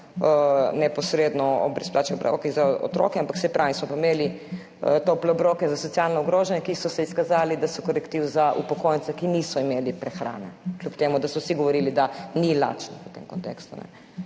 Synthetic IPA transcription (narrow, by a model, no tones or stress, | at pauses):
ənɛpɔsɾed̪nɔɔ̰bɾɛsplaːt͡ʃɛblokizaɔ̰t̪ɾo̰ːkɛampaksɛpɾaːismɔpaimeːli | ət̪oːplɛɔbɾoːkɛzasɔt̪sialnɔɔɡɾoːʒɛnjɛkisɔsɛiskazaːlid̪asɔkɔɾɛkt̪iwzaʔupɔkojnt̪sɛkiniːsɔimeːlipɾɛxɾa̰ːnɛklʲupt̪eːmud̪asɔwsiɡɔʋɔɾilid̪anila̰ːt͡ʃniət̪ḛmkɔnt̪ḛkst̪ṵnɛ̰